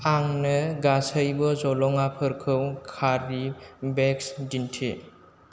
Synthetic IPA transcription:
aŋnɯɡasəjbɯzɔlɔŋapʰɯɾkʰɯwkʰaɾibeksdintʰi

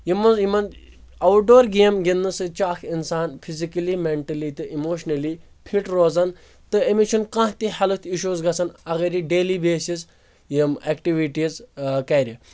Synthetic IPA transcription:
jimɐzjimɐn | ɐwʈ̚ɖoːɾɡeːmɡʲinːɨsɨt͡ʃaːkʰinsaːnpʰizikɐlimeɳʈɐlit̪ɨʔimoːʃnɐli | pʰiʈɾoːzɐn | t̪ɨemit͡ʃʰunkãːht̪ihɐlɨt̪ʰiʃuːzɡɐt͡sɐnɐɣɐɾiɖeːlibeːsiz | jimekʈiʋiʈizkɐːɾʲi

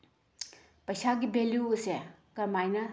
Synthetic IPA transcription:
pɐjsaɡibeljuusekɐmajnɐ

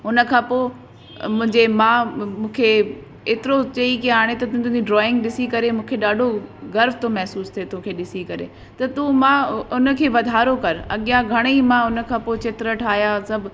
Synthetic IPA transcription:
ʊnə̆kʰãːpoː | mʊ̃ɦɪ̃ɲd͡ʑemãːmũːkʰe | eːt̪ɪɾot͡ɕɐikiaːɽ̃et̪ɐt̪ʊ̃t̪ʊ̃d͡ʑiɖɾɔːɪ̃ŋɡɗɪsikɐɾemũːkʰeɗaːɖʱoɡɐɾft̪omɛɦsuːst̪ʰiet̪ʊ̃kʰeːɗɪsikɐɾḛ | t̪ɐt̪umãːʊnə̆kʰeːʋɐd̪ʱaːɾokɐɾɐ̰ɠijãɡʱɐɽ̃imãʊnə̆kʰãːpoːɪt͡ɕɪt̪ɾəʈʰaːɦjasɐbʱ

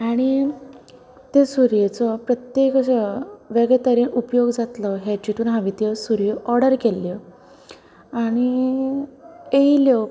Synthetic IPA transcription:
aɽ̃i | t̪esuɾjet͡sɔpɾət̪jekɕəʋeɡɭet̪əɾiːnʔupjoɡd͡zat̪lɔɦet͡ɕiʈuːnɦãʋit̪jəsuɾjeʔɔɾɽəɾkelːjɔ | aɽ̃i | eiljɔ

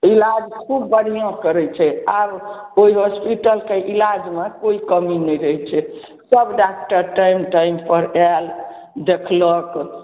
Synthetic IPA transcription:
ilad͡ʒkʰubːəɽ̤ijãkəɾɛt͡ʃʰɛaɾoiɦospiʈəlkeʔilad͡ʒmekoikəminɛɾəɦt͡ʃʰɛ | səbɖak̚ʈəɾʈaimʈaimpəɾɛl | d̪ekʰlək

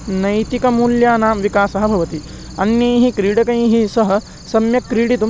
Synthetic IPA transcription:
nɐjt̪ikɐmuːljaːnaːmʋikaːsɐɦɐbʱɐʋɐt̪i | ɐnjɐːɦikɾiːɽɐkɐjɦisɐɦɐ̆ | sɐmjɐkːɾiːɽit̪u

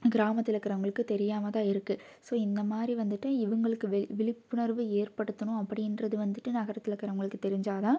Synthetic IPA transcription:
ɡɪɾaːmɐt̪ːɪlɐkːɪɾɐʋɐŋɡɐɭɯkːɯt̪ɛɾɪjaːmɐt̪ãːɪɾɯkːɯ | soːɪnd̪ɐmaːd̪ɾiʋɐnd̪ɯʈːɯɪʋɐŋɡɐɭɯkːɯʋʋɪɭɪpːʊnɐɾʋɯeːɾpɐɽɯt̪ːɐnʊ̃ɐpːɐɽɪjnɾɐðɯʋɐnd̪ɯʈːɯnɐɣɐɾɐt̪ːɪlɐkːɪɾɐɐŋɡɐɭɯkːɯt̪ɛɾɪɲd͡ʒaːt̪ãː

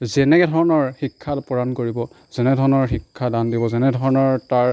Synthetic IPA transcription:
zɛnɛkɛdʱɔɹɔnɔɹxikʰːatpɔɹankoɹibɔ | z̥ɛnɛdʱɔɹɔnɔɹxikʰːadandibɔzɛnɛdʱɔɹɔnɔɹtaɹ

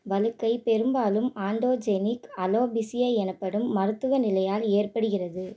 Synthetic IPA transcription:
ʋɐlɯkːɐɪpɛɾɯmbaːlɯmaːɳɖoːd͡ʒenɪkɐloːbɪsɪjɐɛnɐpːɐɽɯmːɐɾɯt̪ːɯɣɐnɪlɐjaːleːrpɐɽɯɣɪrɐðɯ

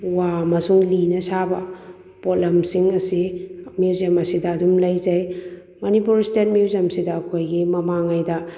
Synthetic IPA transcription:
wamɐsuŋlinɐsabɐ̰ | polɐmsiŋɐsimizemɐsidɐːdumlɐjzaj | mɐnipuɾistet̚miwzemsidɐːkʰojɡimɐmaŋajdɐ

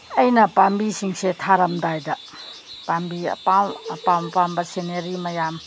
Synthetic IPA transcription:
ɐjnɐpambisiŋsetʰaɾɐmdajdɐ | pambiɐ̰pawɐpawpambɐseneɾimɐjam

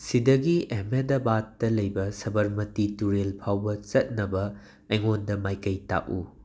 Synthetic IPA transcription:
sidɐɡiemedɐbatːɐlɐjbɐsɐbɐɾmɐtituɾelpʰawbɐt͡ʃɐt̚nɐbɐː | jŋondɐmajkɐjta̰ʔu

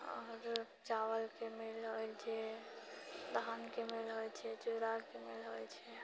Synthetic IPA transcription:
ɔ̰ːɾ | d͡ʒawəlkemelɦojt͡ʃʰɛ | d̪ʱankemelɦojt͡ʃʰɛt͡ʃuɾakemelɦojt͡ʃʰɛ

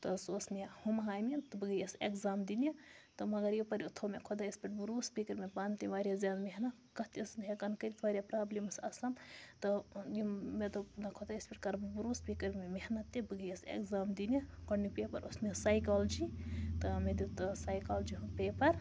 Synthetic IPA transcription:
t̪ɐsosnijɐhumɦaːjmit̪ɨbɨɡɐjɐsekzaːmd̪inijɐt̪ɐmɐɡɐɾjipɐɾiut̪ʰomekʰod̪aispʲiʈbuɾuːspikɐɾmebaːnt̪iʋaːɾijazaːnmeɦnɐ | kɐt̪iɐsnɦekɐnkɐɾit̪ʰʋaːɾʲijapɾaːblimsɐsɐmt̪ɐjumed̪unɐkʰod̪aispʲiʈkɐɾbbuɾuːspiːkɐɾmemehnɐt̪ːibɨɡɐjɐsḛkzaːmd̪inʲɐkɐɳnipepɐɾʔosniɐsaːjkaːld͡ʒit̪ɨmed̪it̪ɨsaːjkaːld͡ʒiɦupeːpɐɾ

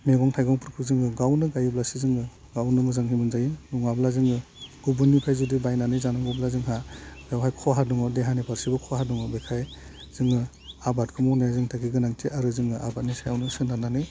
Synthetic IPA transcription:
meɡɔŋtʰajɡɔŋpʰɯɾkʰɯzɯŋɯɡawnɯɡajɯblasizɯŋɯ | ɡawnɯmɯzaŋɦibɯnzajinuŋablazɯŋɯɡ̥ubunːipʰajzudibajnanizanɯŋɡublazɯŋɦabawɦajkʰɔɦaduŋɔdeɦanipʰaɾsibɯkʰɔɦaduŋɯbekʰaj | z̥ɯŋɯ | abatkʰɯmɔwnajazɯŋtʰaɡʰiɡɯnaŋtʰiʔaɾɯzɯŋɯʔa̰bat̚nisajawnɯsɯnanani

